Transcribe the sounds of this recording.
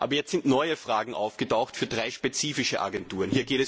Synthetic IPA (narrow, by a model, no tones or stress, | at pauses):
ʔa̰ːbɐjɛt͡stz̥ɪntnɔʏəfʁ̥aːɡŋ̩ʔa̰ʊfɡ̥ətaʊxtfyːɐdʁaɪʃpet͡siːfɪʃəʔa̰ɡɛntuːʁənhiːɐɡeːtɛs